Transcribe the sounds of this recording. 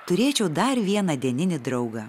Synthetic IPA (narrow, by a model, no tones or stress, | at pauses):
t̪ʊɾʲeːt͡ʃʲɛʊd̪ɐɾʋʲiɛnɐd̪ʲiɛnʲɪnʲɪd̪ɾɐʊɡɐ